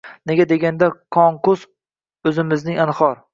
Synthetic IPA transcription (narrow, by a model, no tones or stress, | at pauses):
ne̞ɡʲad̪e̞ɡʲand̪akʰɒŋkʊs | ɵzɪmɪznɪŋanχɒɾ